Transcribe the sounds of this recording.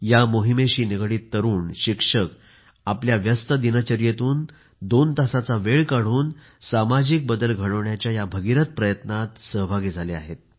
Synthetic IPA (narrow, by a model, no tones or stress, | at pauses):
jamoɦimeɕiːneɡɽiːt̪ːəɾuːnɕikʂək | apljaʋjəst̪əd̪inət͡ɕəɾjet̪uːn | d̪ont̪asat͡saʋeɭkaɽ̤uːn | samad͡ʑik̚bəd̪əlɡʱəɽəʋɳjat͡ɕjajabʱəɡiɾət̪̚pɾəjət̪nat̪səɦbʱaɡid͡zʱaleaɦet̪̚